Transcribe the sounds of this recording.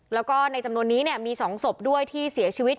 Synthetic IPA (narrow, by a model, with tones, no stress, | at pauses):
lɛː˦˥wkɔː˥˩na˧jt͡ɕa˧mnu˧ənːiː˦˥ni˥˩əmiː˧sɔː˩˦ŋso˨˩p̚du˥˩əjt̪ʰiː˥˩si˨˩˦ɐt͡ɕʰiː˧wi˦˥t̪̚